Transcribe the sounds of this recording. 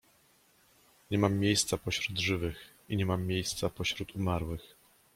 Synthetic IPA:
ɲɛmamːʲjejst̪sapɔɕɾud̪ʐɘvɘx | iɲɛmamːjejst̪sapɔɕɾut̪umaɾwɘx

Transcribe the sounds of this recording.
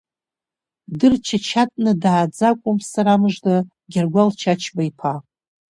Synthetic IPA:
dɨrt͡ʃʰat͡ʃʰatʼnɨdaːd͡zakʷʼʊmsaɾamɨʐda | ɡʲarɡʷalt͡ʃʰat͡ʃʰbajpʰa

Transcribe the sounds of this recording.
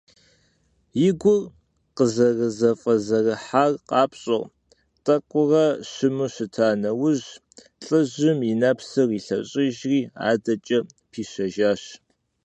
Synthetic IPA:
jɪɡʷʊr | qəzɐrɨzɐfʼɐzɐrɐħaːrqʼɑːpɕʼoʁ | tʼɐkʷʼʊrɐɕɪmɨɕɪtʰaːnɐwʊʑ | ɬʼɨʑɪminɐpsɨriːɬɐɕʼɪʒriːa̰ːdɐt͡ʃʼɐpʰiːɕɐʒaːɕ

